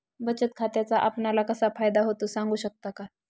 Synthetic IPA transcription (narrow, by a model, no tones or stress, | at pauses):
bət͡ɕət̪̚kʰat̪jat͡saʔapnalakəsafajd̪aɦot̪osãŋɡuːɕək̚t̪aka